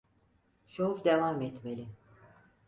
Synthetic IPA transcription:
ʃoufd̪evaːmɛt̪melʲɪ

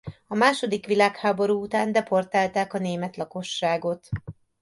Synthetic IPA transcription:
ɒmaːʃo̞d̪ikʋilaːkhaːbo̞ɾuːut̪aːnd̪ɛpo̞rt̪aːlt̪aːkɒneːmɛt̪lɒko̞ʃːaːɡo̞t̪

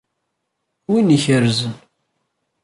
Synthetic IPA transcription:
winiçəɾzən

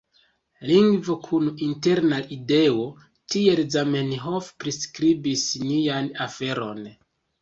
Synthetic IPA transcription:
liŋɡvokʰuninte̞ɾnaide̞o̞ | tie̞lzamenɦofpɾiskɾibisnianafe̞ɾo̞̰n

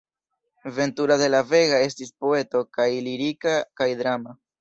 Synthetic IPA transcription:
ve̞ntuɾade̞lave̞ɡae̞s̬tispo̞e̞to̞kajliɾikakajdɾama

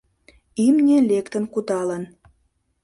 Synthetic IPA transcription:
imnʲĕlʲekt̪ə̆nkud̪ɑlən

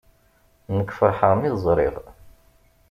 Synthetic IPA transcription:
nəkːfəɾˤħəʁmizˤɾˤɪ̰ðˤ

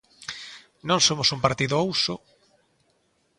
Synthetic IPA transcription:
nõŋsomʊsumpaɾt̪iðʊowsʊ

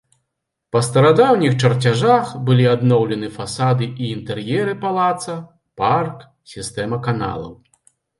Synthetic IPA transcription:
pɐst̪ɐɾad̪awnʲixt͡ʂɐrt͡sʲaʐaxbɨlʲiad̪nɔwlʲɛnɨfasad̪ɨʔiːnt̪ɛrjɛɾɨpalˠat̪sɐ | park | sʲist̪ɛmɐkana̰lˠɐ̰w

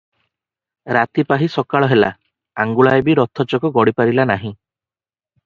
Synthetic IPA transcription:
ɾat̪ipaɦisɔkaɭɔɦela̰ | aŋɡuɭaebiɾɔt̪ʰɔt͡ʃɔkɔɡɔɽipaɾilanaɦĩ

